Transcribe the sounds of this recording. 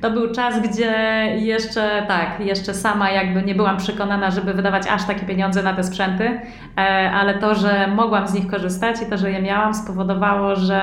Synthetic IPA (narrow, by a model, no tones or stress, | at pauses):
t̪ɔbɘwt͡ʂazɡd͡ʑɛjɛʂt͡ʂɛt̪akjɛʂt͡ʂɛsamajaɡbɘɲɛbɘwampʂɛkɔnanaʐɛbɘvɘd̪avat͡ɕa̰ʂt̪akʲɛpʲjeɲɔnd̪zɛnat̪ɛspʂɛnt̪ɘ | ʔalɛt̪ɔʐɛmɔɡwamzɲixkɔʐɘst̪at͡ɕit̪ɔʐɛjɛmʲjawamspɔvɔd̪ɔvawɔʐɛ